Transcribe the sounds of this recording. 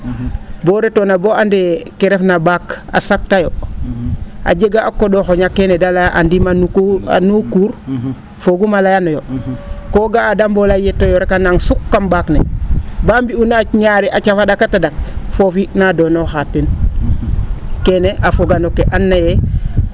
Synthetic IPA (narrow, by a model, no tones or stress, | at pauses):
boɾetonaboandekeɾefnabaːka̰sak̚tajo | a̰ɟeɡaakːodoxoɲakːenedalajaʔa̰ndimanukua̰nukuːɾ | foɡumalajanojokoɡaːdambolajetojoɾekanaŋsukːambaknḛbambiunaɲaɾiʔat͡ʃafadakatadak̚fofinadonoxatːin | keneʔafoɡanokeʔanːaje